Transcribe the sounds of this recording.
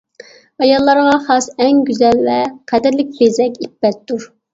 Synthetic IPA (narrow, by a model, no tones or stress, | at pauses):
ɑjɑlˠːɑɾʁɑχɑsɛŋɡʲyzɛlvɛqʰɛd̪ɪɾlɪk̚ʲbezɛkʲibːɛt̪d̪uɾ